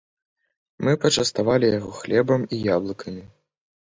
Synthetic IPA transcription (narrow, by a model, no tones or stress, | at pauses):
mɨpɐt͡ʂɐst̪avalʲijaɣɔxlʲɛbɐmijablˠɨkʰɐmʲi